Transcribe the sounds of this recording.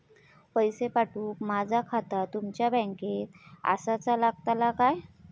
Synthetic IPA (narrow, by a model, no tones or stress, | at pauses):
pəjsepaʈuːkmad͡zʱakʰat̪at̪umt͡ɕjabɛ̃ŋket̪a̰sat͡salaɡ̚t̪alakaj